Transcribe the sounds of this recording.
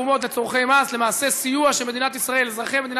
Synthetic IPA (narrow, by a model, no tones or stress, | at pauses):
umo̞t̪̬let͡soʁχe̞jmasle̞maːse̞sijuaʃeme̞d̪inat̪isʁae̞lzʁaχeme̞d̪in